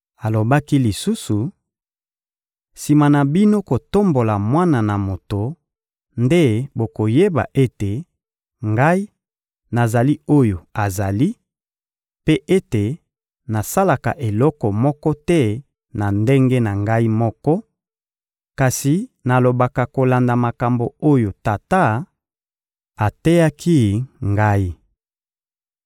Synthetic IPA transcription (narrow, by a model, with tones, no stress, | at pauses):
a˨lo˨ba˦ki˦li˨su˦su˨ | si˨ma˨na˨bi˦no˦ko˨to˦mbo˨la˨mwa˦na˨na˨mo˨to˨ | nde˦bo˨ko˨je˦ba̰˨ʔe˦te˨ | ŋɡa˦i˦ | na˨za˨li˦o˦jo˨a˨za˨li˦ | pe˦ʔe˦te˨ | na˨sa˦la˨ka̰˨ʔe˨lɔ˦kɔ˨mɔ˦kɔ˦tɛ˦ | na˨nde˦ŋɡe˦na˨ŋɡa˦i˦mɔ˦kɔ˦ | ka˨si˨na˨lo˨ba˨ka˨ko˨la˨nda˨ma˨ka˨mbo˨o˦jo˨ta˨ta˦ | a˨tɛ˦ja˦ki˦ŋɡa˦i˦